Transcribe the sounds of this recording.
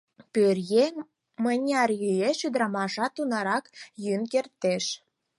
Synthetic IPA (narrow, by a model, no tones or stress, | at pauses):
pørje | mənʲɑrjyjeʃyd̪ɾɑmɑʃɑt̪unɑɾɑkjynkert̪eʃ